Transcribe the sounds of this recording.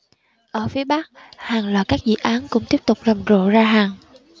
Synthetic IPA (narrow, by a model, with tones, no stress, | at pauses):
ʔəː˧˩fi˨˦əɓa˦˥k̚ | haː˨˩ŋlaː˨˩kaː˦˥k̚zḭ˧˨ʔaː˨˦nkʊ̰˧˥ŋ͡mt̪i˦˥əp̚t̪ʊ˨˩k͡p̚zə˨˩ŋ͡mzo̰˧˨zaː˧ɦaː˨˩ŋ